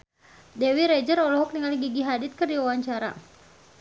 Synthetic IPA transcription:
dɛwiɾɛd͡ʒəɾɔlɔɦɔk̚niŋaliɡiɡiɦadit̪̚kərdiwawaɲt͡ʃaɾa̰

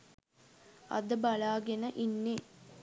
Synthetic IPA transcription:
ɐ̰d̪əbɐlaːɡenəʔinːe

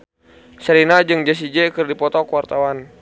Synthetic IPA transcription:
səɾinad͡ʒɨŋd͡ʒas̬id͡ʒɛkɨrdipɔt̪ɔkəwart̪awan

